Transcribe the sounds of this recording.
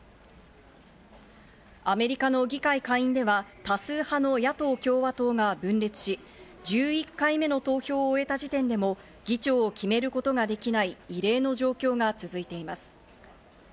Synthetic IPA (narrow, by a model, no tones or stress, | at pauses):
ame̞ɾʲikano̞ɡʲikaikãɰ̃ĩnd̪e̞βat̪asɨːhano̞jat̪o̞ːkʲo̞ːβat̪o̞ːɡabɯ̟̃nɾe̞t͡sɨ̥ɕi | d͡ʑɨːikːaime̞no̞t̪o̞ːço̞ːe̞t̪aʑit̪ẽ̞nd̪e̞mo̞ | ɡ̥ʲit͡ɕo̞ːkʲime̞ɾɯ̟ko̞t̪o̞ɡad̪e̞kʲinaiːɾe̞ːno̞ʑo̞ːkʲo̞ːɡat͡sɨzɨit̪e̞imasɨ̥